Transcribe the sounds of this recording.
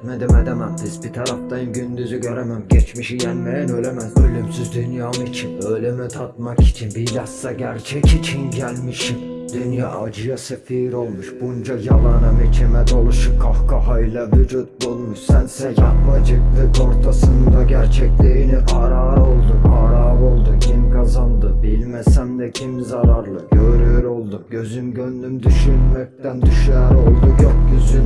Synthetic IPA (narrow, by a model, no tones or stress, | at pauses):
med̪ɛmɛd̪emæmt̪izbit̪ʰɑɾɑft̪ɑnɟynd̪yzyɟø̞ɾemæmɟɛt͡ʃmiʃijænmejænølʲɛmæzbølʲymsyzd̪ynjaːmit͡ʃʰinølʲemit̪ʰɑt̪̚mɑki̥t͡ʃʰinbilɑsːɑɟæɾt͡ʃʰɛcit͡ʃʰinɟælʲmiʃid̪̥ynja̰ːd͡ʒɯjɑsefiːɾo̞lˠmuʃb̥und͡ʒɑjɑlˠɑnɑmɛcʰemɛd̪olˠuʃɯpkʰːɑhkɑɦɑjlʲˠɑvyd͡ʒut̪̚bulˠmuʃsænsɛakbɑd͡ʒɯkvɛko̞ɾt̪ʰasɯnd̪aɟæɾt͡ʃʰɛclʲiiniʔɑɾaːɾo̞lˠd̪umɑːɾaːvo̞lˠd̪ucʰimkʰazɑnd̪ɯbilʲmæsænvɛcʰimzɑɾaɾlˠɯɟøɾyjøɾo̞lˠd̪umɟø̞zymɟønlymd̪yʃylmæc̚t̪ænd̪yʃæɾo̞lˠd̪uɟøpɟʲøsyn